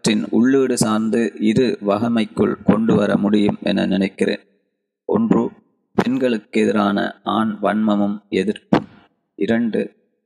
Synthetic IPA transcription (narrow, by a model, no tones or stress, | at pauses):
ʈrɪnʊɭːɯːɽɯsaːɾnd̪ɯɪɾɯʋɐɣɐmɐɪkːɯɭkɔɳɖɯʋɐɾɐ̰mʊɽɪjɯmʔɛ̰nɐ̰nɪnɐɪkːɪrḛːn | ʔɔ̰ndrɯ | pɛnɡɐɭɯkːɛðɪɾaːnɐ̰ʔaːɳʋɐɳmɐmɯmɛðɪɾpɯm | ʔɪɾɐɳɖɯ